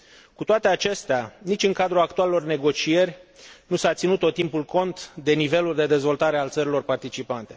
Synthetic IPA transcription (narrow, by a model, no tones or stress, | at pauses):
kut̪oat̪e̞at͡ʃe̞st̪eanit͡ʃʲɨŋkad̪ɾuakt̪ualelo̞rne̞ɡo̞t͡ʃie̞rʲnusat̪sinut̪o̞t̪ːimpulko̞nt̪d̪e̞nive̞luld̪e̞d̪e̞zvo̞lt̪aɾe̞alt̪səɾilo̞rpart̪it͡ʃipant̪e̞